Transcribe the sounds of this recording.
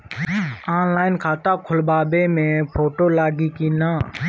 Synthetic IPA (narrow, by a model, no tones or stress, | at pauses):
aːnlaːɪnkʰaːt̪aːkʰʊlbaːbeːmẽːpʰoːʈoːlaːɡiːkiːnaː